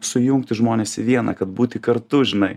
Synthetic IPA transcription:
sʊjʊŋk̚t̪ʲɪʒmoːnʲeːsɪʋʲiɛnɐ̰kɐt̪̚buːt̪ʲɪkɐɾt̪ʊʒʲɪnɐɪ

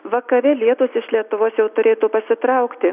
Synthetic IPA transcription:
ʋɐkɐʋʲɛlʲiɛt̪oːsɪʃlʲiɛt̪ʊʋoːsjɛʊt̪ʊɾʲeːt̪uːpɐsʲɪt̪ɾɐʊkt̪ʲɪ

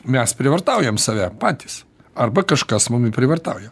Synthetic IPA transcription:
mʲɛspʲɾʲɪʋɐrt̪ɐʊjɛmsɐʋʲɛpɑːt̪ʲis | ɐrbɐkɐʃkɐsmʊmɪpʲɾʲɪʋɐrt̪ɐʊjɛ

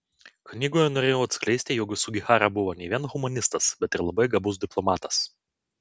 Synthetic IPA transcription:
knʲiːɡoːjɛnoːɾʲeːjɛʊɐt̪sʲklʲɛɪsʲt̪ʲɪjoːɡʲʊsʊɡʲɪxɑːɾɐbʊʋoːnʲɛɪʋʲiɛnɣʊmɐnʲɪst̪ɐsbʲɛt̪ɪɾlˠɐbɐɪɡɐbʊs̬d̪ʲɪplˠɔmɑːt̪ɐs

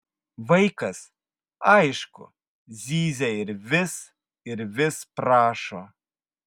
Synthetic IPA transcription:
vɐjkɐs | ajʃko̰ | zʲiːzʲaiɾʲvʲɪs | ɪɾvʲɪspɾaːʃo

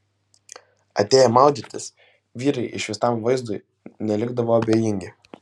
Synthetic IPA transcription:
ɐt̪ʲeːjɛmɑˑʊd̪ʲit̪ʲɪs | ʋʲiːɾɐɪʔɪʃʋʲɪsɑˑmʋɐɪzd̪ʊɪ | nʲɛlʲɪɡd̪ɐʋoːɐbʲeːjɪŋʲɡʲɪ

